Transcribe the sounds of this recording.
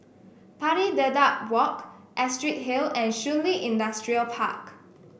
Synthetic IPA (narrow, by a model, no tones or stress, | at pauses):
pʰaɾidədat̚wɔkʔɛstɹit̚ɦilɛ̃nʃũnliʔĩndastɹiəlpʰa̰k